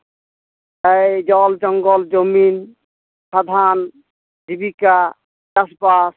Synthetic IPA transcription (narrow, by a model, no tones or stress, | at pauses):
ajd͡ʒɔld͡ʒɔŋɡɔld͡ʒomin | pɾad̪ʱan | dibika | aspas